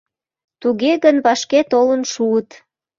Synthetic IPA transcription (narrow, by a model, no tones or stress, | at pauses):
t̪uɣeɣənβɑʃket̪olənʃuət̪